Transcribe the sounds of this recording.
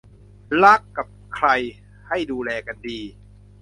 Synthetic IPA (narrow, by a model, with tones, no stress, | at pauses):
la˦˥˩kːa˨˩p̚kʰɾa˧j | ha˥˩jduː˧lɛː˧ka˧ndiː˧